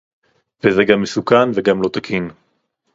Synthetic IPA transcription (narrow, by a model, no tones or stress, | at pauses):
vezɛɡamːesukanveɡamlo̞t̪akʰin